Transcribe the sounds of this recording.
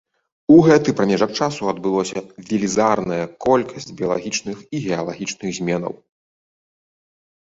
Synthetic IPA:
uɣɛt̪ɨpɾɐmʲɛʐɐk̚t͡ʂasuɐd̪̚bɨlˠɔsʲɐvʲilʲizarnɐjɐkɔlʲkʰɐsʲd͡zʲbʲijɐlˠa̰ɣʲit͡ʂnɨxiɣʲɛɐlˠaɣʲit͡ʂnɨɣzʲmʲɛnɐ̰w

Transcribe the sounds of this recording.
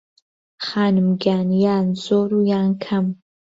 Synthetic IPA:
χaːnmɡʲaːnjaːnzoːɾujaːŋkʰam

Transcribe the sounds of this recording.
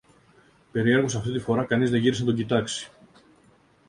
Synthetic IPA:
pe̞ɾie̞ɾɣosɐft̪it̪ifo̞ɾɐkɐnizðeʝiɾisnɐt̪oɟit̪ɐksi̥

